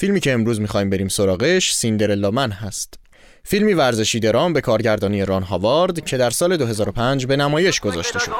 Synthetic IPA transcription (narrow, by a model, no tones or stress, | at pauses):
filmiːcʰeːmɾuːzmixɒːiːmbe̞ɾiːmso̞ɾɒːɣeʃsind̪e̞ɾelːɒːmænɦæst̪ | filmiːvæɾze̞ʃiːd̪eɾɒːmbe̞kʰɒːɾɟæɾd̪ɒːnijeɾɒnɦɒːvɒːɾd̪cʰe̞d̪æɾsɒːle̞d̪oɦe̞zɒːɾo̞pʰænd͡ʒbe̞næmɒːje̞ʃɡ̥o̞zɒ̰ːʃt̪e̞ʃo̞̰d̪̥